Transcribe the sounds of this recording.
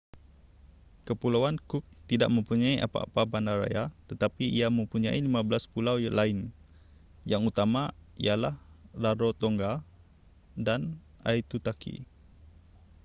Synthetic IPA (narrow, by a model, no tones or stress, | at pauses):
kəpulawankuk̚t̪idaʔ̚mə̃mpuɲaiʔa̰pa̰a̰pabandaɾa̰jat̪ət̪apiiamə̃mpuɲãilimãbəlaspulawlaɪn | jaŋut̪amãijalahlaɾot̪ɔŋɡa | dan | ajt̪ut̪akʰḭ